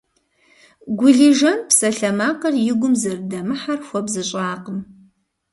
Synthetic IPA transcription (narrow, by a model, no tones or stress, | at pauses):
ɡʷʊɮiʒɐmpsɐɬɐmaːqɐrjɪɡʷʊmzɐrdɐmɨħarxʷɔbzɨɕʼaːqəm